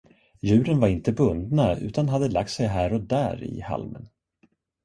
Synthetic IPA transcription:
jʉ̟ːɾənvaɾɪnt̪əbɵnd̪naʉ̟ːt̪anɦad̪ːəlak̚t̪sɛjɦæːɾɔd̪æ̰ːɾɪ̰ha̰lmə̰n

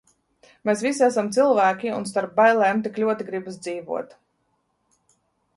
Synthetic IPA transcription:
mesvisiasamt̪silˠvæːkʲiṵns̬t̪aɾp̚bajlˠɛːmt̪iklʲuɔt̪iɡɾibs̬d̪ziːvṵɔt̪

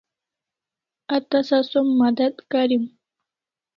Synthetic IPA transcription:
ɐt̪ɐsɐsomːɐd̪ɐd̪kaɾim

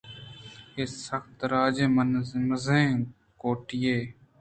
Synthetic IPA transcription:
eːsəxt̪ɾaːd͡ʒẽːmənməzẽː | koːʈɪjeː

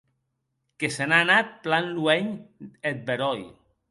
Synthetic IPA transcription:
kesenanat̪̚planluɛɲet̪̚beɾɔj

